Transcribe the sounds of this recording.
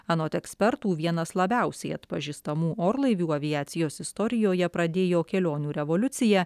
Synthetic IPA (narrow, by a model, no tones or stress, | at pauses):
ɐnoːt̪ʲɛksʲpʲɛɾt̪uːʋʲiɛnɐslˠɐbʲɛˑʊsʲɛɪɐt̪pɐʒʲiːst̪ɐmuːʔoːɾlˠɐɪʋʲuːɐʋʲɪjæːt̪sʲɪjoːsɪst̪ɔɾʲɪjoːjɛpɾɐd̪ʲeːjoːkʲɛlʲoːnʲuːɾʲɛʋolʲʊt̪sʲɪjæː